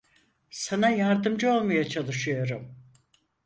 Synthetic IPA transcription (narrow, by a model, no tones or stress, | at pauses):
sanajaɾd̪ɯmd͡ʒɯo̞lˠmajat͡ʃʰalˠɯʃɯjo̞ɾum